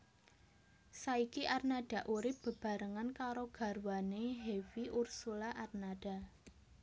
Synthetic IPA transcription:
saikiʔarnad̥a̤ʔuɾɪp̚b̥ə̤b̥ä̤ɾəŋankaɾoɡ̥a̤rwaneɦewiʔursulaʔarnad̥a̤

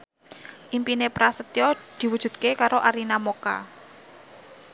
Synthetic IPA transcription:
ʔimpinepɾasət̪jɔd̪̥i̤wud̥ʒ̥ṳd̪̥̚kekaɾoʔaɾinamoka̰

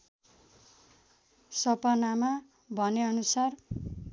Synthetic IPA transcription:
sʌpʌnama | bʱʌneʌnusar

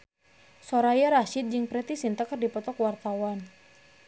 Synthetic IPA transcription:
sɔɾajaɾaʃit̪̚d͡ʒɨŋpɾɛt̪isint̪akərdipɔt̪ɔkwart̪awan

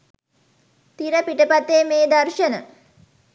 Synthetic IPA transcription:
t̪iɾəpiʈəpat̪ːeːmeːd̪arʃənə

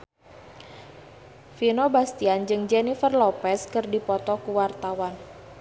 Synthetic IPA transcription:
finobast̪iand͡ʒɨŋd͡ʒɛnifərlɔpɛskɨrdipɔt̪ɔkuwart̪awan

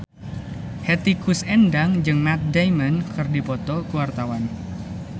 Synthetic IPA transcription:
hɛt̪ikusɛndaŋd͡ʒɨŋmat̪̚dajmənkɨrdipɔt̪ɔkuwart̪awan

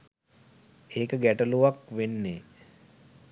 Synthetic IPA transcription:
eːkəɡæʈəluʋakʋenːeː

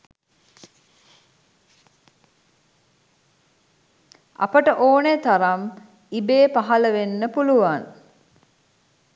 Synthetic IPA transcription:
ɐ̰pəʈəʔoːnet̪aɾam | ibeːpaɦɐləʋenːəpuluʋaŋ

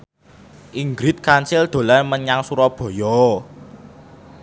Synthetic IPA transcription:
ʔiŋɡɾit̪̚kant͡ʃɪld̪̥o̤lanməɲaŋsuɾɔb̥ɔ̤jɔ

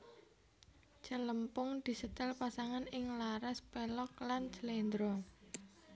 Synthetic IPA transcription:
t͡ʃələmpʊŋd̪̥i̤sət̪əlpasaŋanɪŋlaɾaspɛlɔk̚lant͡ʃəlend̪ɾɔ

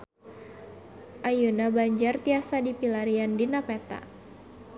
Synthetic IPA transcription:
ʔajunabaɲd͡ʒart̪iasadipilaɾiandinapɛt̪a̰

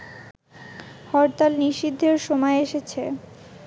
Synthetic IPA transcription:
hɔɾt̪alniʃid̪ʱːeɾʃomɔeeʃet͡ɕʰe

